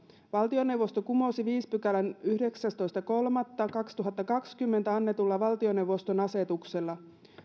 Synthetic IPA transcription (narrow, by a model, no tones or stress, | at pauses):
ʋɑlt̪io̞ne̞wʋost̪o̞kumo̞siʋiːspykælænyhde̞ksæst̪o̞jst̪ɑko̞lmɑt̪ːɑkɑkst̪uɦɑt̪ːɑkɑkskymːe̞nt̪æɑnːe̞t̪ulːɑʋɑlt̪io̞ne̞wʋo̞st̪o̞nɑse̞t̪ukse̞lːɑ